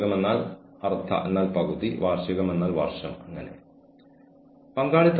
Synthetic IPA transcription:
ɣɐme̞nːaːl | ɐrt̪ʰːɐ̰ʔḛnːaːlpɐɣuðiʋaːrʂjɐɣɐme̞nːaːlʋɐ̰rʂɐmɐŋːɐne̞̰ | pɐŋɡaːɭit̪ː

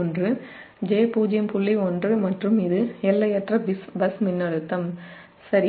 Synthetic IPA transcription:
ɔndrɯ | d͡ʒeːpuːd͡ʒɪjɐmpʊɭːiɔndrɯmɐʈrɯmɪðɯɛlːɐjɛʈrɐbɪsbɐsmɪnːɐɭɯt̪ːɐm | sɐɾi

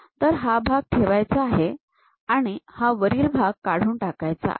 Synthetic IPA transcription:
t̪əɾɦabʱaɡ̚t̪ʰeʋajt͡saːɦe | aɽ̃ihaʋəɾiːlbʱaɡ̚kaɽ̤uːnʈakajt͡sa̰

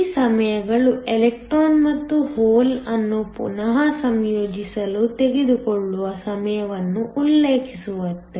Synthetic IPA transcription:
sɐmɐjɐɡɐɭuelek̚ʈɾoːnmɐt̪ːuhoːlɐnːupṵnɐɦɐsɐmjoːd͡ʒisɐlut̪e̞ɡed̪ukoɭːuʋɐsɐmɐjɐʋɐnːuʔulːeːkʰisuʋɐt̪ːe

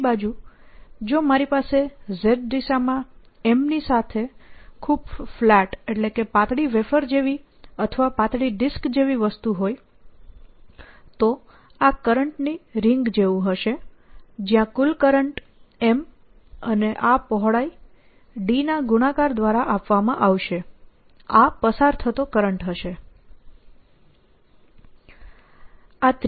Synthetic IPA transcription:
bad͡ʒu | d͡ʒomaɾipasezeɖɖisamã | emnisat̪ʰekʰubflɛʈeʈlekepãt̪ɽiʋefəɾd͡ʒeʋi | ət̪ʰəʋapãt̪ɽiɖɪskd͡ʒeʋiʋəst̪uɦoj | t̪o | akəɾəɳʈniɾɪŋɡd͡ʒeʋũɦəʃed͡ʒjãkulkəɾəɳʈ | em | əneʔapɔɦɭai | ɖinaɡuɽ̃akaɾd̪ʋaɾaʔapʋamãʔaʋʃe | apəsaɾt̪ʰət̪okəɾəɳʈɦəʃe | at̪

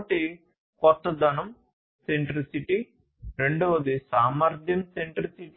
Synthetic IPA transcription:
ʈi | kɔt̪ːɐd̪ɐnɐm | seɳʈɾisiʈi | ɾeɳɖoʋɐd̪isaːmɐɾd̪ʱjɐmseɳʈɾisiʈ

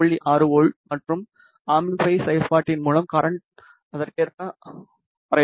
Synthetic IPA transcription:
ɐɭːiʔaːɾɯoːɭmɐʈrɯm | aːmifɐɪsɐjɐlpaːʈːɪnmuːɭɐmkɐɾɐɳʈ | ɐðɐrkeːɾka | ɐɾɐ

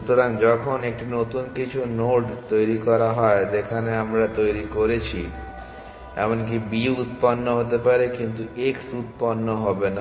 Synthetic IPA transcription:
ut̪oɾaŋd͡ʑɔkʰonek̚ʈinot̪unkit͡ɕʰunoɖt̪ojɾikɔɾaɦɔed͡ʑekʰaneamɾat̪ojɾikoɾet͡ɕʰi | ɛ̰monk̬ibiut̪̚panːoɦot̪epaɾekint̪ueksut̪̚panːoɦɔbena

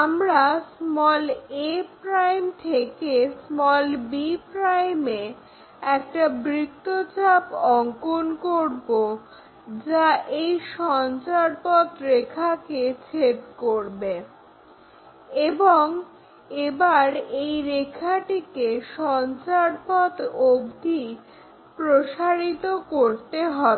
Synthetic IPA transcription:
amɾasmɔlepɾajmt̪ʰekesmɔlbipɾajme | ɛk̚ʈabɾikt̪ːot͡ɕapɔŋkonkoɾbo | d͡ʑaʔejʃɔnt͡ɕaɾpɔt̪ɾekʰaket͡ɕʰep̚koɾbe | eboŋ | ebaɾejɾekʰaʈikeʃɔnt͡ɕaɾpɔt̪obd̪ʱi | pɾoʃaɾit̪okoɾt̪eɦɔ

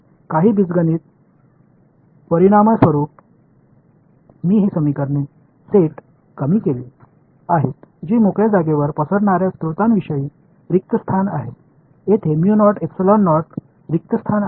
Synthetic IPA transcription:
kaɦiːbid͡zɡəniːt̪̚ | pəɾiɽ̃aməsʋəɾuːp̚ | miːɦiːsəmikəɾne | seʈ | kəmiːkeliː | aɦet̪d͡ʑiːmokɭjed͡zaɡeʋəɾpəsəɽɳaɾjast̪ɾut̪anʋiɕəjiː | ɾik̚t̪əst̪ʰanaɦet̪ | et̪ʰemjunɔɾʈeksəlɔnːɔɾʈt̪ | ɾik̚t̪əst̪ʰan

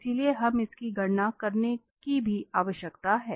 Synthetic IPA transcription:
silieɦɐmɪskiɡʱɐɽnakɐɾne | kibʱiaːʋəʃjəkt̪aɦɛː

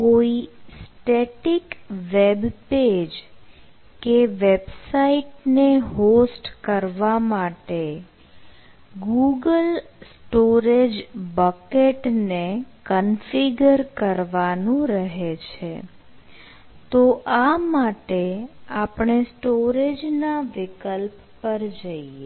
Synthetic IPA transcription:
koisʈeʈikʋebped͡ʒ | keʋebsaiʈneɦosʈkəɾʋamaʈe | ɡuɡəlsʈoɾed͡ʒbəkeʈnekənfiɡəɾkəɾʋanũɾəɦet͡ʃʰe | t̪oʔamaʈeapɳesʈoɾed͡ʒnaʋɪkəlpːəɾd͡ʒəie

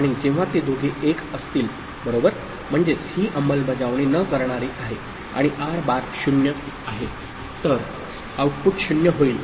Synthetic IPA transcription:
aɽ̃id͡ʑẽʋ̤̃at̪ed̪ʱoɡʱeʔekəst̪iːl | bəɾobəɾ | m̤əɳd͡zet͡shiːʔəməlbəd͡zaʋɳenəkəɾɳaɾiːʔaɦe | a̰ɽ̃iʔaɾbaɾɕunjə | aɦe | t̪əɾ | awʈ̚puʈɕunjəɦoiːl

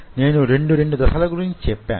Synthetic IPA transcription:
ne̞ːnuɾe̞ɳɖuɾe̞ɳɖud̪ɐsɐlɐɡuɾiɲit͡ʃɛpːa̰ː

